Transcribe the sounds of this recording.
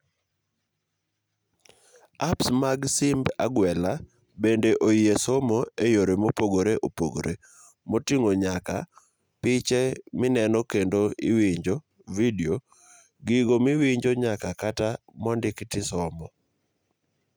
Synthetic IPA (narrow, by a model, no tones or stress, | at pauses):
apsmaɡsɪmba̰ɡwɛla | bendeʔoiesomoejoɾemopoɡoɾeʔopoɡo̰ɾḛ | motiŋoɲaka̰ | pɪt͡ʃɛmɪnɛnɔkendoɪ̰wiɲd͡ʒo | video | ɡiɡomɪwiɲd͡ʒoɲakakata | mɔndɪktɪsɔmɔ